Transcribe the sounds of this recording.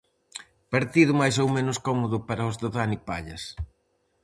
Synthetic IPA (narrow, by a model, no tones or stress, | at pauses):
paɾt̪iðʊmajs̬owmenʊskɔmoðʊpaɾaʊzðʊðanipa̰ʎɐs